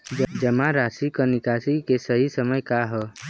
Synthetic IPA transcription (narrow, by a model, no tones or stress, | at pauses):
d͡ʒəmaɾasikənikasikesəɦisəməjkaɦə